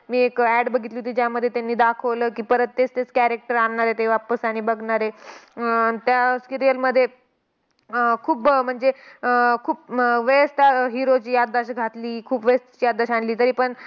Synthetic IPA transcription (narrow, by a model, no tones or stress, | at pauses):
miːekæɽbəɡʱit̪liɦut̪iːd͡ʑjaməd̪ʱːjet̪janːiːd̪akʰəʋləːkiːpəɾət̪ːet͡st̪et͡skæɾek̚ʈəɾaɳːaɾet̪eʋapəsaɽ̃ibəɡʱɳaɾe | t̪jaskiɾijəlməd̪ʱːje | kʰuːbm̤əɳd͡zekʰuːp̚ʋeəst̪aɦiɾot͡ɕiːjad̪ːaɕɡʱat̪liːkʰuːpʋest̪t͡ɕiːjad̪ːaɕanliːt̪əɾiːpəɳ